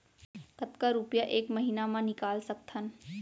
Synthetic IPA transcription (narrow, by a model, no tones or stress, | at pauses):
kət̪kaɾupjaʔeːkmɐɦiːnamãnɪkaːlsɐkt̪ʰən